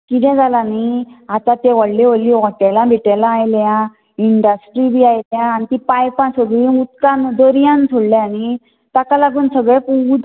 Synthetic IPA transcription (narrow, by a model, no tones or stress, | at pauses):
kit̪ɛ̃d͡zalaniat̪at̪eʋəɽleʋəlːiʋɔʈɛlãbʱiʈɛlãːjljã | iɳɖəsʈɾibʱiajljãːnit̪ipajpãsəɡiut̪kãnd̪əɾijãnsʰuɽleani | t̪akalaɡuːnsəɡɭepud̪